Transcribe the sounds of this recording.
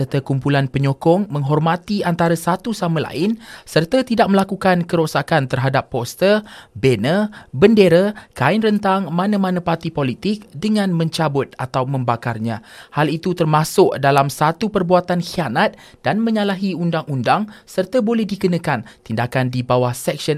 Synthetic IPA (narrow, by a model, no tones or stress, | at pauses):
sərt̪akumpulanpəɲokɔŋmə̃ŋɦɔrmãt̪iant̪aɾasat̪usamə̃la̰ɪnsərt̪at̪idak̚məlakukankəɾosakant̪ərɦadapːɔst̪ərbenəbəndeɾakaɪnrənt̪aŋmãnãmãnãpart̪ipolit̪ɪk̚dəŋãnmə̃ɲt͡ʃabʊt̪̚at̪awmə̃mbakarɲãhalit̪ut̪ərmãsʊk̚dalamsat̪upərbuat̪anxianat̪̚ | d̥anmə̃ɲalaɦiundaŋundaŋsərt̪abolɛhdiɡənə̃kant̪indakandibawahsɛk̚sən